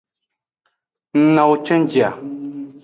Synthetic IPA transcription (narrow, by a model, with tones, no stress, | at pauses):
n̩˦na˨wt͡ʃɛ˦n˦d͡ʒi˨a˨